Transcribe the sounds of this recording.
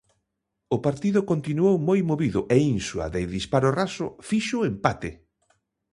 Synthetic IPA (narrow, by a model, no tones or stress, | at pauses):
ʊpaɾt̪iðʊkont̪inuowmojmoβiðʊʔeinsuɐ̰ðeðispaɾorasʊ̰fiʃʊempat̪ɪ